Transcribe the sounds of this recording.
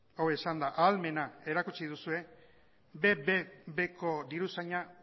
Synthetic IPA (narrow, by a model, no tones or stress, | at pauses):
owesand̪aʔalme̞nae̞ɾakut͡ʃið̞usue̞ | bebebe̞ko̞d̪iɾusaɲa